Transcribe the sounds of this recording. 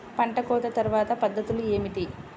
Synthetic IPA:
pɐɳʈɐkɔːt̪ɐt̪ɐɾuʋaːt̪ɐpɐd̪ʱːɐt̪ulue̞ːmiʈ̪i

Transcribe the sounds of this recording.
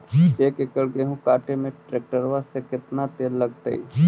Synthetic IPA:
eːkɪkəɽɡeɦũkaːʈemẽʈɾeːk̚ʈəɾʋasekɪt̪nat̪eːlːəɡt̪ə̰ḭ

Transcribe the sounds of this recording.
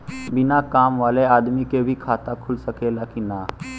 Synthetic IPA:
bɪnakaːmʋaːleaːd̪mikebʱikʰaːt̪akʰʊlsəkelakinaː

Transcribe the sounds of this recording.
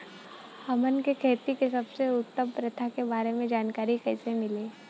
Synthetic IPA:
hɐmənkekʰeːt̪ikesɐbseʊt̪ːəmpɾɐt̪ʰakebaːɾemẽd͡ʒaːnkaːɾikɛːsemɪliː

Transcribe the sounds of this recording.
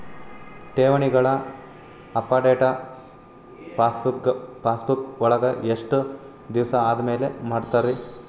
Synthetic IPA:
ʈeːʋɐɳiɡɐɭɐ | ɐpːaːɖeːʈɐ | asuɡɐpaːsbukɔɭɐɡɐʔeʂʈu | d̪iʋsɐaːd̪ɐmeːlemaːɖt̪aɾi

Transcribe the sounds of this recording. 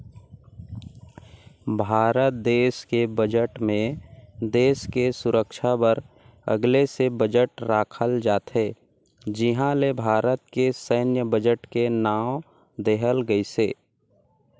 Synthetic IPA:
bʱaːɾət̪̚d̪eːskebəd͡ʒəʈmẽd̪eːskesʊɾəkʃabəɾ | ə̰ɡlesebəd͡ʒəʈɾaːkʰəld͡ʒaːt̪ɦe | d͡ʒɪɦãlebʱaːɾət̪̚kesəːnjəbəd͡ʒəʈkenaːw | d̪eɦəlɡəiseː

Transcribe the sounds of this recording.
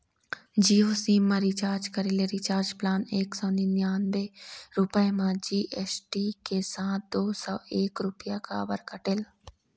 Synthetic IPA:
d͡ʒiːoːsiːmːãɾit͡ʃaːɾd͡ʒkəɾileɾit͡ʃaːɾd͡ʒplaːneːksɔ̃ːninjaːnd̪eːɾʊpəemãːd͡ʒiːʔɛːsʈiːkesãːt̪̚d̪oːsɔːeːkɾʊpɪjaka̰ːbəɾkəʈɪl

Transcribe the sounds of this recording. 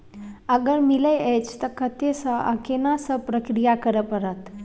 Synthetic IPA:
əɡəɾmiləjet͡ʃʰt̪əkət̪esəʔə̰kenasəpɾəkɾijakəɾəpəɾət̪

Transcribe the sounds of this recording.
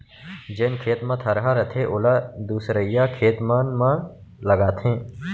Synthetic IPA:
d͡ʒeːnkʰeːt̪mãt̪ʰɐɾɦaɾɐt̪ʰeʔʊlaːd̪uːsɾəɪjaːkʰeːt̪maːnmã | ləɡaːt̪ʰẽː

